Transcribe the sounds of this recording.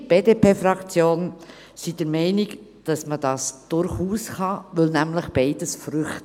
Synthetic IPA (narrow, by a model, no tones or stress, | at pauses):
b̥eːdepʰeːfɾɑkt͡sjoːn | sid̥əɾmɛɪnɪɡ | d̥ɑsməd̥ɑːsd̥ʊɾχuːsχɑʋɵlnæmləχb̥ɛɪd̥əsfɾʏχt